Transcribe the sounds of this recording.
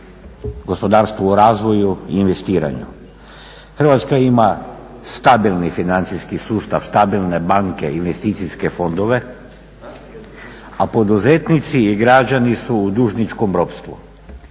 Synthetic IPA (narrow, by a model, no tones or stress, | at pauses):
ɡo̞spo̞d̪aːɾst̪ʋoːɾaːzʋo̞juiːnʋe̞st̪iːɾa̰ɲṵ | xr̩ʋat̪skaima | st̪abilˠnifinant̪siskisuːst̪aʋst̪abilˠne̞baŋke̞̰inʋe̞st̪iːt̪siske̞fo̞nd̪o̞ʋe̞ | apo̞d̪uzet̪nit̪siːɡɾad͡ʒanisuːd̪uʒnit͡ʃkombɾo̞pst̪ʋu